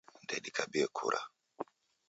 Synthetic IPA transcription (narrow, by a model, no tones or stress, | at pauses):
ndɛɗikʰabiɛkʰṵɾʔa̰